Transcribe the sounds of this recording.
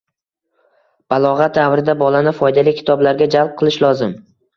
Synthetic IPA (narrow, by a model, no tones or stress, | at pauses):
b̥alˠɒʁat̪̚d̪avɾɪd̪abɒlanɪfɒjd̪alɪjkʲʰɪ̥t̪ʰɒblaɾɡʲad͡ʒalˠp̚qʰɨlˠɪʃlˠɒzɪm